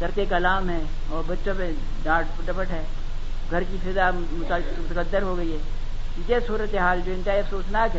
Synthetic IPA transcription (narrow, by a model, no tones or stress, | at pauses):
d̪ɐɾkekɐlaːmɦɛː | ɔːɾbɐtːʃõpẽ | ɖaːʈpʊʈɐpəʈɦɛː | ɡʱɐɾkifʰɪd̪a | mʊt̪ | mʊt̪əkəd̪ːəɾɦoɡɐiɦɛː | ijesuːɾət̪eɦaːld͡ʒoːɪ̃nt͡ʃaːiɐfsoːsnakː